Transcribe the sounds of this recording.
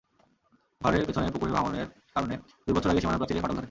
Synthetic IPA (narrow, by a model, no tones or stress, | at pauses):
ɡʱɔɾeɾpet͡ɕʰonepokuɾebʱamoneɾ | kaɾone | d̪uibɔt͡ɕʰoɾaɡeʃimanapɾat͡ɕileɦɔʈald̪ʰʱɔɾe